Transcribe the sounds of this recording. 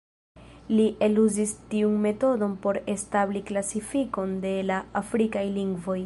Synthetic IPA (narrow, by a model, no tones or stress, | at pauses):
liʔe̞luzistiunme̞to̞do̞npo̞ɾe̞stabliklasifiko̞nde̞laafɾikajliŋɡvo̞j